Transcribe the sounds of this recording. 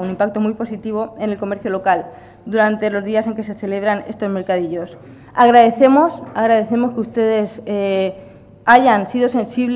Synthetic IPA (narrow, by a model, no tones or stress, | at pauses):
unĩmpak̚t̪o̞mujpo̞sit̪iβ̞oe̞ne̞lko̞me̞ɾθjolo̞kal | d̪uɾant̪e̞lo̞zðiase̞ŋke̞se̞θe̞le̞β̞ɾane̞st̪o̞zme̞ɾkað̞iʎo̞s | aɣ̞ɾaðe̞θe̞mo̞saɣ̞ɾaðeθe̞mo̞skust̪e̞ð̞e̞se | aʝansiðo̞se̞nsiβl